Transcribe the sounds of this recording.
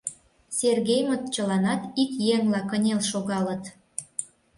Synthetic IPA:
sʲerɣejmət̪t͡ɕəlɑnɑt̪ikjeŋlɑkənʲelʃoɣɑlət̪

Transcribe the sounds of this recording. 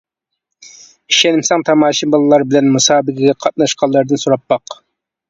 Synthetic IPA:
iʃɛnɪmsɛŋt̪ʰɑmɑːʃimbɑlˠɨlˠɑɾbɪlɛnmusɑːbɪɡʲɪɡʲɛqʰɑt̪̚nɑʃqʰɑlˠːɑɾd̪ɨnsuɾɑpːɑq

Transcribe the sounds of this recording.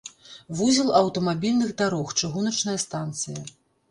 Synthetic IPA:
vuzʲilˠɐwt̪ɐmabʲilʲnɨɣd̪aɾɔxt͡ʂɨɣunɐt͡ʂnɐjɐst̪ant̪sɨjɐ

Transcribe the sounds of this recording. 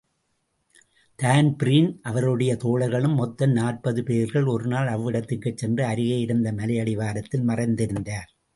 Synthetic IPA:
t̪aːnpɾiːnʔɐʋɐɾɯɽɐjɐt̪oːɭɐɾɣɐɭɯmːɔt̪ːɐnnaːʈ̚pɐðɯpeːɾɣɐɭɔɾɯnaːlɐʋːɪɽɐt̪ːɪkːɯt͡ʃːɛndrɐɐɾɯɣɐjɪɾɯnd̪ɐmɐlɐjɐɽɪʋaːɾɐt̪ːɪlmɐrɐɪnd̪ɪɾɯnd̪aːɾ

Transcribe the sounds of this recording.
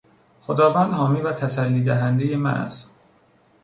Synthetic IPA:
xod̪ɒːvænd̪hɒːmiːvæt̪ʰæsælːiːd̪æɦænd̪ejemæ̰næ̰st̪

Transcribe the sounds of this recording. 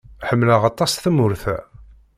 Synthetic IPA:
ħəmːlaʁɑt̪ˤːɑsθəmʊɾθæ̰

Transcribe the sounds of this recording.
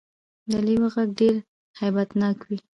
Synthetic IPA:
d̪əliwaɣaɡ̚ɖeɾ | hajbat̪nɑkwi

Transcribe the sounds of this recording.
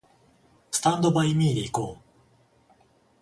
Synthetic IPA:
sɨ̥t̪ãnd̪o̞baimʲiːd̪e̞iko̞ː

